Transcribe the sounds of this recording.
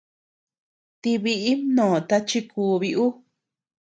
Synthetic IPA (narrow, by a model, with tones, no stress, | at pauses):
t̪i˧βi˧ʔi˦nõː˨t̪a˧t͡ʃi˧kʰuː˧βi˧ʔu˦